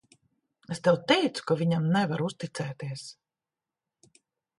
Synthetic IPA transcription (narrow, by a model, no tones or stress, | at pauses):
est̪ɛwt̪ɛjt̪su̥kavʲiɲamnævaɾust̪it̪sɛːt̪iɛs